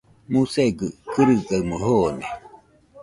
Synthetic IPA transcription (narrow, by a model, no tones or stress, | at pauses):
museɡɯkɯɾɯɡaɯmoɦoːne